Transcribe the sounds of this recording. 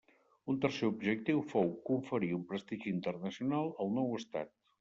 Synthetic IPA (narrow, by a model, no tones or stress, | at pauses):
unt̪ərseubʒək̚t̪iwfowkuɱfəɾiumpɾəst̪iʒiːnt̪ərnəsiunalˠəlˠnɔwəst̪a̰t̪̚